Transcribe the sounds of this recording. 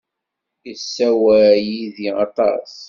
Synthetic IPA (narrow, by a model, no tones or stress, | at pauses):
isːæwæjiðiɑ̰t̪ˤɑ̰s